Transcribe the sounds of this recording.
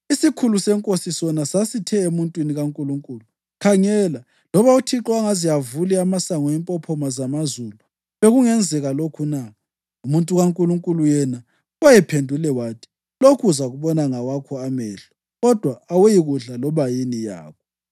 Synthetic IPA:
isikʰulusɛŋkʼosisɔnasasitʰɛemuntʼwiniɣaŋkʼuluŋkʼuːlu | kʰaŋɛla | lɔβautʰiǁwaŋazijavuliamasaŋɔɛmpʼɔpʰɔmazamazulu | βeɣuŋɛnd͡zʱɛɣalokʰuna | umuntʼuɣaŋkʼuluŋkʼulujɛna | ɔjɛpʰendʱulɛwaːtʰi̥ | lokʰuzaɣuβɔnaŋawakʰɔamɛːɬɔ̥ | ɣɔd̥ʱwaːwejiɣuɮalɔβajinija̰ːkʰɔ

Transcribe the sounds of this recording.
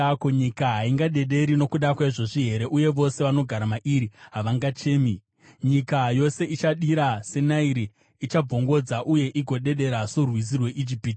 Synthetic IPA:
koɲikaɦaiŋɡaɗe̞ɗe̞ɾino̞kuɗakwaʐo̞ʐiɦe̞ɾe̞ʔuje̞ʋo̞seʋano̞ɡʱaɾamaʔiɾiɦaʋaŋɡat͡ʃe̞ːmi | ɲikajo̞se̞ʔit͡ʃaɗiɾase̞naiɾiː | t͡ʃab͡vo̞ŋɡo̞d͡zaʔuje̞ʔiɡʱo̞ɗe̞ɗe̞ɾasorwiz̬irwe̞ʔid͡ʒipiːti̥

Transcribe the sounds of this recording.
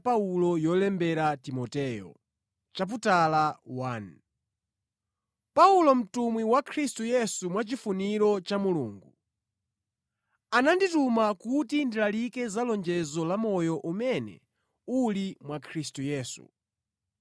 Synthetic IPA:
paulɔjɔlɛmbɛɾatimɔtɛjɔ̰ | t͡ʃap̬utalawan | paulɔm̩tumwiwakʰɾistujɛsumwat͡ʃifuniɾɔt͡ʃamuluːŋɡu | ananditumakutindilalikɛzalɔnd͡ʒɛzɔlamɔjɔʔumɛnɛ̰ | ulimwakʰɾistujɛːsṵ

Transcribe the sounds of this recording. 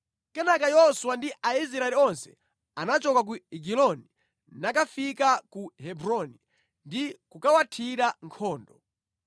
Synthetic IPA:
kɛnakajɔswandiʔaizɾaɛliɔnsɛ̥̰ | anat͡ʃɔkak̬uiɡilɔni | nakafikakuhɛbɾɔni | ndikukawatʰiɾaŋkʰɔːndɔ

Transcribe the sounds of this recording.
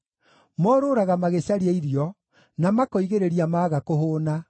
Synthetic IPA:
mɔɾoːɾaɣamaɣeɕaɾiaiɾiɔ | namakɔiɣeɾeɾiamaːɣakoɦoːna

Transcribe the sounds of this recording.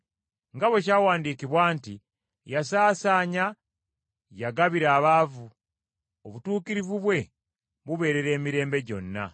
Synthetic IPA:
ŋɡaβwe̞c̬aːwaːndiːkiβwaːnti | jasaːsaːɲa | jaɡaβiɾaːβaːvu | oβutuːkiɾivuβwe̞ | βuβe̞ːɾe̞ɾe̞ːmiɾe̞ːmbe̞ɟo̞̰nːa̰

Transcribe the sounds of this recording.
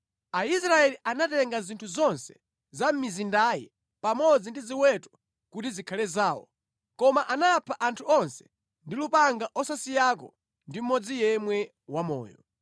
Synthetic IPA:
aisɾaɛliʔanatɛŋɡazintʰuzɔnsɛ̥ | zam̩mizindajɛ̰ | pamɔd͡zindiziwɛtɔ̥ | kutizikʰalɛzaːwɔ̰ | kɔmaʔanapʰaʔantʰuɔnsɛ̥ | ndilupaŋɡaʔɔsasijakɔ̰ | ndim̩mɔd͡zijɛmwɛ | wamɔ̰ːjɔ̰

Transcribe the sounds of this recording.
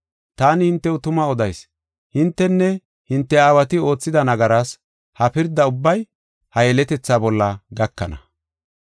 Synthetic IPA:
t̪aːnɪhɪnt̪ːɛʊt̪ʊmɐɔd̪ɐjs | hɪnt̪ːɛnːɛ | hɪnt̪ːɛaːwɐt̪ɪo̞ːt͡sːɪd̪ɐnɐɡɐɾaːs | hɐpɪɾd̪ɐʊbːɐj | hɐjɛlɛt̪ɛt͡sːaːbɔlːɐɡɐkːɐ̰nɐ̰

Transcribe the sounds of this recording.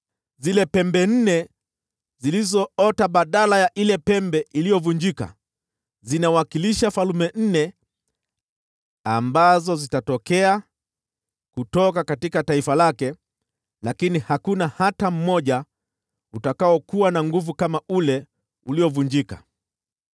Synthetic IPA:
zilɛpɛmbɛn̩nɛ | zilizɔɔtaɓaɗalajaʔilɛpɛmbɛʔilijɔvuɲd͡ʒika̰ | zinawakiliʃafalumɛn̩nɛ | ambazɔzitatɔkɛa | kutɔk̬akatikataifalakɛ | lakinihakunahatam̩mɔʄa | utakaɔkuwanaŋɡuvukamaulɛ | uliɔvuɲd͡ʒika̰

